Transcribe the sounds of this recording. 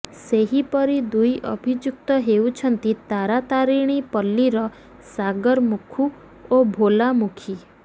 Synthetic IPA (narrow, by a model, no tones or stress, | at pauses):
seɦipəɾid̪ujʔə̰bʱid͡ʒjuk̚t̪ɔɦeũt͡ʃʰənt̪it̪aɾat̪aɾiɽ̃ipəlːiɾɔ | saɡəɾmukʰu | obʱolamukʰi